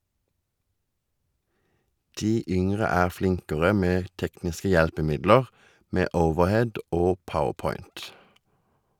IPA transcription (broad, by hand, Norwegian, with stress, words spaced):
ˈdiː ˈʔʏŋʁə ˈæːʁ ˈflɪŋkəʁə ˈmeː ˈtɛknɪskə ˈjɛlpəˌmɪdləʁ ˈmeː ˈəʊʋəʁˌhɛd ˈʔoː ˈpəʊəʁˌpɔʏnt